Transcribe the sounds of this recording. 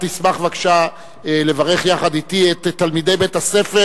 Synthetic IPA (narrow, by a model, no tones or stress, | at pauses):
t̪ismaχvakʃa | ele̞vaʁe̞χjaχad̪itiet̪tːalmid̪e̞jbetase̞fe